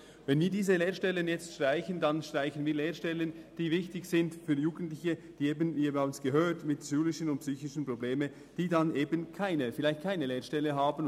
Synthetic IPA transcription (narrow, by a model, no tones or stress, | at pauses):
vɛnviːɐdiːzəleːʃtɛlənjɛt͡stʃtʁ̥aɪçəndɑnʃtʁ̥aɪçənviːɐleːɾʃtɛlənd̥iːvɪçtɪçsɪntfyːɐjuːɡ̥ən̩tlɪçəd̥iːeːbənviːbaʊnsɡ̥əɦøːtmɪtsyːlɪʃənʊnt̚psyːçɪʃən̩probleːmən | d̥iːdɑnʔeːbənkʰaɪnəfɪlaɪçtkʰaɪnəleːɐʃtɛlːəɦaːbən